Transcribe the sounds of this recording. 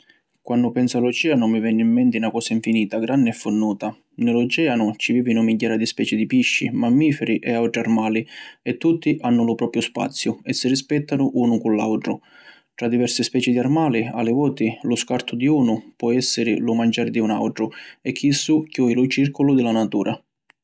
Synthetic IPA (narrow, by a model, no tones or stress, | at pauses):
kwanːʊpɛnsalʊt͡ʃɛːanʊmivɛnːɪimːɛnt̪ɪnakɔːsaiɱfiniːt̪aɡɾanːɪɛfːʊnːuːt̪a | nɪlʊt͡ʃɛːanʊt͡ʃiviːvinʊmiɟːaːɾad̪ispɛːt͡ʃɪd̪ipiʃːḭmamːiːfɛɾiʔɛawʈɾiarmaːliɛt̪ːut̪ːiʔanːʊlʊpɾɔːpɾjʊspa̰t̪sːjʊɛsːɪrispɛt̪ːanʊʔuːnʊkʊlːa̰wʈɾʊ̰ | ʈɾad̪ːivɛrsɪspɛːt͡ʃɪd̪iarmaːlia̰lɪvɔːt̪ɪlʊskart̪ʰʊd̪iuːnʊpwɔɛsːɪɾɪlʊmand͡ʒaːɾɪd̪iuna̰wʈɾʊɛkʰːisːukːjɔːilʊt͡ʃirkʰʊlʊd̪ɪlanat̪uːɾʔa